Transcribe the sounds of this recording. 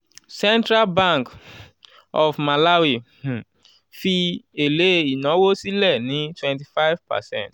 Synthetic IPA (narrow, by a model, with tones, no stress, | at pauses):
sɛ̃˦ntɾa˦lbã˦˨ŋk | ɔ˨fma˨la˦wi˦˨ | fi˧e˨le˨˦i˨nɔ̃˨˦wo˦si˦lɛ˦˨nĩ˨˦twɛ̃˨nti˨fa˦jvpa̰˨sɛ̰̃˦nt